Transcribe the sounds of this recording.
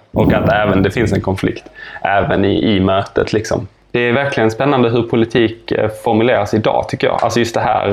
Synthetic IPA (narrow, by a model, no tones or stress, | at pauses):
ʔɔkat̪ɛːvənd̪ɛfɪnsɛnkʰɔnflɪ̰kt̪ʔɛːvə̰nɪ̰ʔɪmœːt̪ət̪ʰlɪksɔ̰m | d̪̥ɛæɾvæɾklɪɡənspɛnːand̪əɦɵɾpʰʊlɪt̪ʰiːkfɔɾmɵleːɾasɪd̪ɑ̰ːt̪ʰʏkːəjɑ̰ːʔa̰lsɔjɵst̪d̪ɛɦæ̰ːɾ